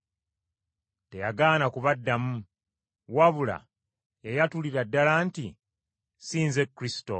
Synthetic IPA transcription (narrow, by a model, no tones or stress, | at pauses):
te̞jaɡaːnakuβadːamu | waβula̰ | ejatuliɾadːalaːnti | siːnze̞kːɾisi̥to̞̰